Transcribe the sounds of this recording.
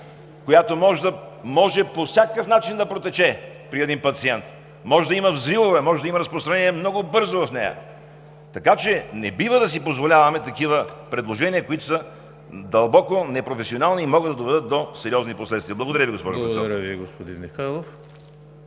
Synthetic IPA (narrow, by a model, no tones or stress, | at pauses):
kojat̪omɔʒd̪ə | mɔʒɛposʲjakəfnat͡ʃind̪ɐpɾot̪ɛt͡ʃɛ | pɾiɛd̪inpɐt̪siɛnt̪ | mɔʒɛd̪ɐiməvzɾivˠovɛmɔʒɛd̪ɐimɐɾəspɾost̪ɾɐnɛniɛmnɔɡobɤɾzovɐfnɛ̰jɐ̰ | t̪ɐkat͡ʃɛnɛbivəd̪ɐsipozvolʲavɐmɛt̪ɐkivəpɾɛd̪lˠoʒɛniəkoit̪o̥sə | d̪ɐlˠbɔkonɛpɾofɛsionalˠniːmɔɡəd̪ɐd̪ovɛd̪ɤt̪̚d̪osɛɾʲiɔzniposlɛt̪st̪viɐəblˠɡod̪ɐɾʲjəviɡospɔ̰ʒʊɛɛɐɾəviɡospod̪inmixajlˠof